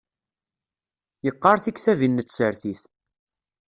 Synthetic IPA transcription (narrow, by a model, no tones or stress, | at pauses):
jəqːɑɾˤθikθævinːət͡sːsəɾθiθ